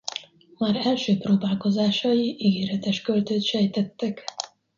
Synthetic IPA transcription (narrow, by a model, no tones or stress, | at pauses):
maːɾɛlʃøːproːbaːlko̞zaːʃɒjiʔiɡeːɾɛt̪ɛʃkølt̪øːt̪ʃɛjt̪ɛt̪ːɛk